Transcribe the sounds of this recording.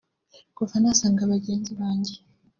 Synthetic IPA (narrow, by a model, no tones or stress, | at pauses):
ɡ̥uvanasaːŋɡaβaɟeːnziβaːɲɟe